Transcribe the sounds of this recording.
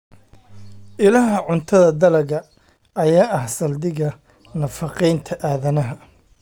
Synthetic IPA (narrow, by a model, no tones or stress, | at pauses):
ʔɪlɐɦɐʕʊnt̪ʰɐðɐd̪ɐlɐɣɐ | ɐjaːʔɐhsɐld̪ɪɣɐ | nɐfɑqɛjnt̪ʰɐʔaːðɐnɐɦɐ